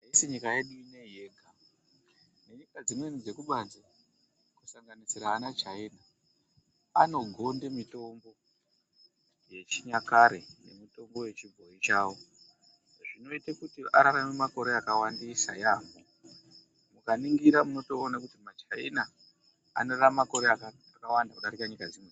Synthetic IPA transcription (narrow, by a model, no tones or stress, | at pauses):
isiɲikaje̞ɗuine̞jeːɡʱa | ne̞ɲikad͡zimwenid͡ze̞kuɓanze | kusaŋɡanisiɾaːnat͡ʃaina | ano̞ɡʱo̞ndemito̞mbo̞ | je̞t͡ʃiɲakaɾe̞jḛmito̞mbo̞je̞t͡ʃibʱoit͡ʃaːwo̞ | ʐino̞itakutiʔaɾaramemako̞ɾe̞akawandisa̰jaːmo | mukaniŋɡiɾamuno̞to̞ːnakutimat͡ʃaina | a̰no̞ramako̞ɾeaka | akawandakuɗaɾikaɲikad͡zimwen